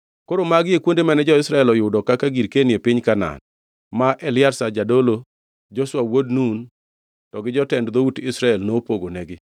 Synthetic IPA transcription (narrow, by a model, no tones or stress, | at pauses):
koɾomaɡɪekwondemɛnɛd͡ʒɔɪsɾaɛlɔjʊdɔkakaɡiɾkenjepɪɲkana̰n | maʔɛlɪaɾsad͡ʒadolo | d͡ʒɔswawodnun | tɔɡɪd͡ʒɔtɛndd̪outɪsɾaɛlnopoɡonɛɡɪ